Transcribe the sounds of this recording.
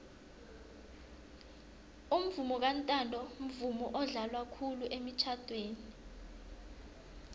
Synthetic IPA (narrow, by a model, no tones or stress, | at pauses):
um̩vumɔk̬antʼandʱɔm̩vumɔʔɔɮalwakʰuluʔemit͡ʃʰad̥ʰʱʼweːni